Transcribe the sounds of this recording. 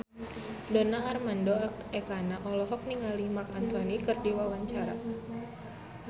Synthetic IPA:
dɔnaːrmandoak̚ɛkanaʔɔlɔɦɔk̚niŋalimarkant̪ɔnikɨrdiwawaɲt͡ʃaɾa̰

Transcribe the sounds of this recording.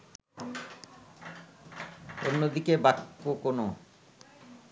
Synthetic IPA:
onːod̪ikebaʈkokono

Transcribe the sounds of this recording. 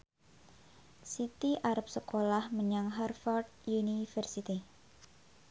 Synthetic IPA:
sit̪iʔaɾap̚səkolahməɲaŋɦarfɔrd̪ | junifərsit̪i

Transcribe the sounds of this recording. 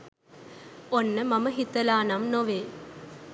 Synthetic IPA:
onːəmɐməɦit̪əlaːnɐmnoʋeː

